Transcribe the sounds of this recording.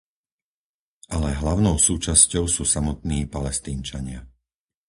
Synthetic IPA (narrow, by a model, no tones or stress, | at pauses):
ʔalɛɦlaʊnɔʊsuːt͡ʃascɔʊsuːsamɔt̪niːpalɛst̪iːnt͡ʃaɲɪa